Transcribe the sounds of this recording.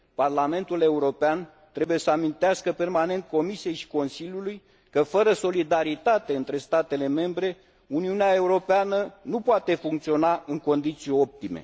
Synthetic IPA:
parlame̞nt̪ule̞uɾo̞pean | t̪ɾe̞buje̞səamint̪easkəpe̞rmane̞nt̪̚ko̞misije̞jʃi̥ko̞nsilʲjuluj | kəfəɾəso̞lid̪aɾit̪at̪e̞ɨnt̪ɾe̞st̪at̪e̞le̞me̞mbɾe̞ | uniuneae̞uɾo̞peanənupoat̪e̞fuŋkt̪sio̞naɨŋko̞nd̪it̪sio̞p̚t̪ime̞̰

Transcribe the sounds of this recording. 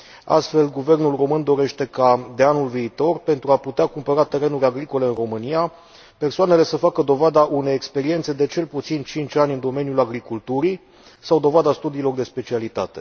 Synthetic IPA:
a̰st̪fe̞lɡuve̞rnulro̞mɨnd̪o̞ɾe̞ʃt̪e̞kad̪e̞anulviːt̪o̞rpe̞nt̪ɾuaput̪eakumpəɾat̪e̞ɾe̞nuɾʲaɡɾiko̞le̞ɨnro̞mɨnia | pe̞rsoane̞le̞səfakəd̪o̞vad̪aʔune̞jekspe̞ɾie̞nt̪se̞d̪e̞t͡ʃe̞lput̪sint͡ʃint͡ʃanʲɨnd̪o̞me̞njulaɡɾikult̪uɾi | sawd̪o̞vad̪ast̪ud̪iːlo̞rd̪e̞spe̞t͡ʃialit̪at̪e̞̥

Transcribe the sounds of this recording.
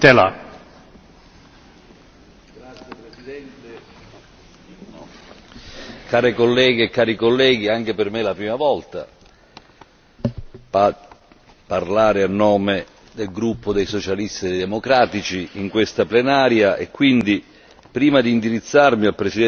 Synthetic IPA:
t̪ela | ɡɾat̪sjepɾesid̪ɛnt̪e | kaːɾekolːɛːɡeːkːaːɾikolːɛːɡiaŋk̟epermelapɾiːmavɔlt̪a̰ | pa | parlaːɾeanːɔːme | d̪elɡɾupːod̪ejsot͡ʃalist̪id̪jd̪emokɾaːt̪it͡ʃiiŋkwest̪aplenaːɾjaʔḛkːwind̪i | pɾiːmad̪iːnd̪iɾit̪sːarmialpɾesid̪ɛ

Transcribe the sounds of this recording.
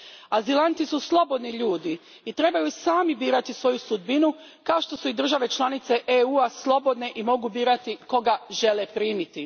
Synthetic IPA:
azilant̪isuslˠo̞bo̞d̪niʎuːd̪iː | t̪ɾe̞bajusaːmibiːɾat̪isʋo̞jusud̪̚binu | kaoʃt̪o̞suid̪ɾr̩ʒaʋe̞t͡ʃlˠanit̪se̞ʔeuaslˠo̞bo̞d̪ne̞ʔimo̞ɡubiːɾat̪iko̞ɡaʒe̞lepɾiːmit̪i

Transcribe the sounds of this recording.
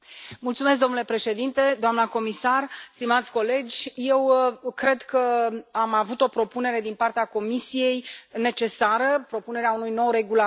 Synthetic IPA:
mult̪sumesk̚d̪onule̞pɾe̞ʃe̞d̪int̪e̞d̪oamnəko̞misarst̪imat̪sʲko̞le̞d͡ʒʲje̞wkɾe̞d̪kəamavut̪o̞pɾo̞pune̞ɾe̞d̪inpart̪eako̞misije̞jne̞t͡ʃe̞saɾəpɾo̞pune̞ɾeaunujno̞wre̞ɡula

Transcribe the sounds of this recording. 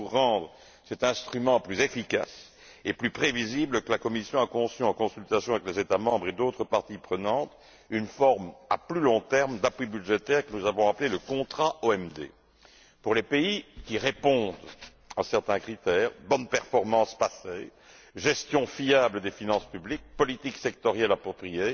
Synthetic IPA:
uʁːɑ̃d̪ʁə | sɛt̪ɛ̃st̪χymɑ̃plyzefikʲa̰s | eplypχevizibləkəlakɔmisjɔ̃akɔ̃syɑ̃kɔ̃sylt̪asjɔ̃avɛklezet̪amɑ̃bʁed̪ot̪χəpaʁt̪ipχənɑ̃t̪ | ynfɔʁma̰plylɔ̃t̪ɛʁmd̪apwibyd̪ʒet̪ɛʁkənuzavɔ̃apleləkɔ̃t̪χaoɛmd̪ḛ | puʁlepeikʲiʁepɔ̃d̪ | asɛʁt̪ɛ̃kχit̪ɛːʁbɔnpɛʁfɔʁmɑ̃spasej | ʒɛst̪jɔ̃fiabləd̪efinɑ̃spyblik̚pɔlit̪iksɛk̚t̪ɔʁjɛlapχɔpχije

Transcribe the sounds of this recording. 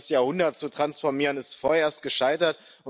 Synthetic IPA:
sjaːhʊndɐtt͡sutʁ̥ansfɔɐmiːʁənɪstfoːɐeːɐst̚ɡ̥əʃaɪtɐt | ʊ

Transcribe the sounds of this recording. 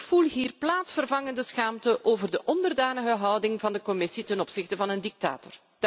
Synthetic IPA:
fulˠɦiːrplaːtsfərvɑŋəndəsxaːmtəʔoːvərdəʔɔndərdaːnəɣəɦɑwdɪŋvɑndəkɔmɪsitɛnɔpsɪxtəvɑnəndik̚ta̰ːtɔr | d

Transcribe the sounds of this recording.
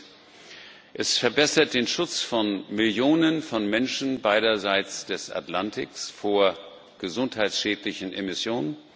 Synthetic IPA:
ʔɛsfɛɐbɛsɐt̚d̥eːnʃʊt͡sfɔnmɪljoːnənfɔnmɛnʃn̩baɪɾɐzaɪt͡sd̥ɛsʔa̰tlantʰɪksfoːɐ | ɡ̥əzʊnthaɪtsʃɛːtlɪçn̩ʔemɪsjoːnən

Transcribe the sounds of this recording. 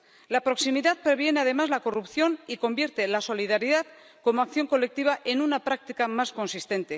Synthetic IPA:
lapɾo̞ksimiðaðpɾe̞βje̞ne̞að̞e̞mazlako̞rupθjo̞niko̞mbjeɾt̪e̞laso̞liðaɾiðað | ko̞moakθjo̞ŋko̞le̞k̚t̪iβ̞aʔenunapɾak̚t̪ikamasko̞nsist̪e̞nt̪e̞

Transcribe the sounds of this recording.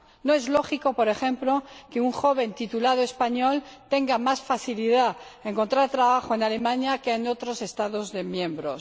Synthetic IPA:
noezlo̞xiko̞po̞ɾe̞xẽ̞mplo̞ke̞uŋxo̞β̞e̞nt̪it̪ulað̞oe̞spaɲo̞lt̪e̞ŋɡamasfaθiliðae̞ŋko̞nt̪ɾaɾt̪ɾaβaχoe̞nale̞mãɲakeːno̞t̪ɾo̞se̞st̪aðozðemjẽ̞mbɾo̞s

